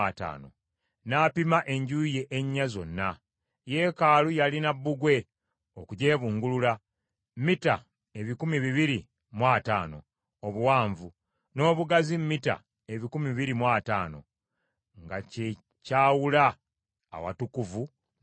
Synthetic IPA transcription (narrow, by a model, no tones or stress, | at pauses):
ata̰ːno̞̰ | naːpimaʔe̞ɲɟuje̞ʔeɲːazo̞̰nːa | je̞ːkaːlujalinabːuɡwe̞ | okuɟe̞ːβuːŋɡulula | mmita̰ | e̞βikumiβiβiɾi | mwaːta̰ːno̞ | oβuwaːɱvu | no̞ːβuɡazimːita̰ | eβikumiβiɾimwaːta̰ːno̞̰ | ŋɡace | caːwula̰ː | wa̰tukuvu